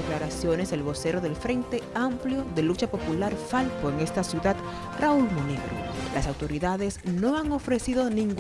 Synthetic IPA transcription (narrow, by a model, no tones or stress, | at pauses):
eklaɾasjo̞ne̞zðelβo̞se̞ɾo̞ðe̞lfɾe̞nt̪e̞ampljo̞ðe̞lut͡ʃapo̞pulaɾfalpoeŋe̞st̪asjuðad̪̥ | raulmoniβɾo̰lʔasawt̪o̞ɾiðaðe̞sno̞aŋo̞fɾe̞siðo̞nĩŋɡ